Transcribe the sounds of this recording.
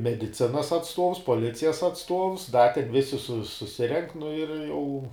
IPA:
mʲɛdʲɪˈt͡sʲɪnɐs ɐtsˈtuɔws poːˈlʲɪt͡sʲɪjɛs ɐtsˈtuɔws dɐ tʲɛn ˈʋʲɪsʲɪ sʊ sʊˈsʲɪrʲɛŋk nʊ ɪr ˈjɛʊ

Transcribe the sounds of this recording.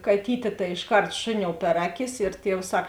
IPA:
kɐˈtʲiːtʲeː tɐɪ ɪʃˈkɐrt ˈʃʊˌnʲoːʊ pʲɛr ˈɑːˌkʲɪs ɪr ˈtʲiɛws ˈsɐk

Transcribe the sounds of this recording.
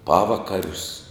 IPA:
ˈpɑːʋɐkɐrʲʊs

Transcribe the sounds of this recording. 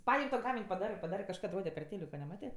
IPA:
ˈpɐɪmʲ toː ˈɡɑːmʲɪnʲ pɐˈdɑːrɜ pɐˈdɑːrɜ kɐʃˈkɐt ˈroːdʲɛ pʲɛr ˈtʲeːlʲɪkoː nʲɛˈmɑːtʲeː

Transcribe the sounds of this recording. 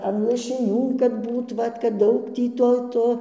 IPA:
ɐn lˠɐʃʲɪˈnʲuː kɐt ˈbuːt ˈʋɐt kɐt ˈdɐʊk ˈtʲiː ˈtoː ˈtoː

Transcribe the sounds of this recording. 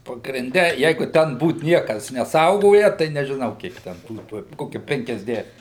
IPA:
pɐɡrʲɪnʲˈdʲɛ ˈjɛɪɡʊ ˈtʲɛn ˈbuːt ˈnʲiɛkɐs nʲɛˈsɐʊɡoːjɛ tɐɪ nʲɛʒʲɪˈnɐʊ ˈkʲiɛk ˈtʲɛn ˈtuː ˈtuɔj ˈkoːkʲɛ pʲɛŋʲkʲɛzʲˈdʲæːʃʲɪm

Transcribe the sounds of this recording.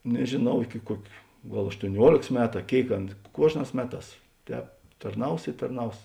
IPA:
nʲɛʒʲeːˈnɐʊ ˈɪkʲɪ ˈkuɔkʲ ˈɡɐlˠ ɐʃtuɔˈnʲuɔlʲeːks ˈmʲæːtʊ ɐ ˈkʲeːɪk ˈɑːnɐ ˈkuɔʒˌnɑːs ˈmʲæːˌtɑːs ˈtʲɛːp tɐrˈnɐʊs ɪ tɐrˈnɐʊs

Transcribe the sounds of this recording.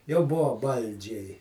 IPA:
jɛʊ ˈbʊʋoː ˈbɐlʲd͡ʒʲɛɪ

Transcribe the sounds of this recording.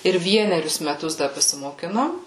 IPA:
ɪr ˈʋʲiɛnʲɛrʲʊs mʲɛˈtʊs dɐ pɐsʲɪmoːˈkʲɪnoːm

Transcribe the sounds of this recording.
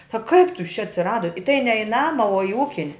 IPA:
ɐ kɐɪp tʊ jɪs t͡ʃʲɛ ɐtʲsʲɪˈrɑːdoː ɪ tɐɪ nʲɛ ɪ ˈnɑːmɐ oː ɪ ˈuːkʲɪnʲ

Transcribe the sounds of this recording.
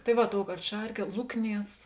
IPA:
tɐɪ ˈʋɐ ˈtoːʊˌkɐrt ˈʃɐrʲˌkʲiɛ ˈlˠʊkˌnʲiɛs

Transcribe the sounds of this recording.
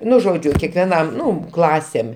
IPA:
ˈnʊ ˈʒoːd͡ʒʲʊ kʲɛkʋʲɛˈnɐm ˈnʊ ˈklˠɑːsʲeːm

